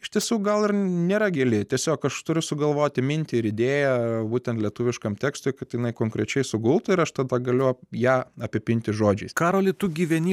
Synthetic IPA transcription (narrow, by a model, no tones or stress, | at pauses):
ɪʃt̪ʲiɛsʲuːk̚ɡɐlˠɪɾnʲeːɾɐɡʲeːlʲɪt̪ʲiɛsʲoːkɐʃt̪ʊɾʲʊsʊɡɐlˠʋoːt̪ʲɪmʲɪnʲt̪ʲɪɪɾɪd̪ʲeːjɛbuːt̪ʲɛnt̪lʲiɛt̪ʊːʋʲɪʃkɐmt̪ʲæːkst̪ʊːɪkɐt̪jɪnɐɪkoːŋkɾʲɛt͡ʃʲɛɪsʊɡʊlˠt̪ʊɪɾɐʃt̪ɐd̪ɐɡɐlʲʊjæːɐpʲɪpʲɪnʲt̪ʲɪʒoːd͡ʒʲɛɪskɑːɾoːlʲɪt̪uːɡʲiːʋʲɛnʲiː